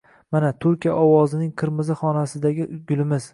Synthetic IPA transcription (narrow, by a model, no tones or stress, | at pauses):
manat̪ʰʊɾkʲija̰ʔɒwɒzɪnɪŋqʰɨɾmɨzɪχɒnasɪd̪aɡʲɪɡʲʊlˠɪmɪz